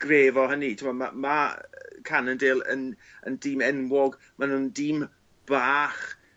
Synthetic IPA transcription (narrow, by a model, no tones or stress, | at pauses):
ɡ̥reːvɔɦənitʰɪmama̰makʰanəndeːlˠə̰n | əndiːmɛnwɔɡ | manuːndiːm | b̥aːχ